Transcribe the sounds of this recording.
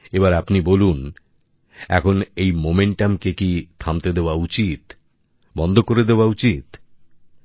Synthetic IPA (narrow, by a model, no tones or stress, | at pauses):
ebaɾapnibolun | ɛ̰kʰonejmomeɳʈamkekit̪ʰamt̪ed̪eoaut͡ɕit̪ | bɔnd̪ʱokoɾed̪eoaut͡ɕit̪